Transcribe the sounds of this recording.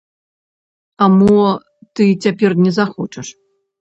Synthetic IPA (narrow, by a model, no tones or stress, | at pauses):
amɔ | t̪ɨt͡sʲapʲɛrnʲɛzaxɔt͡ʂɐʂ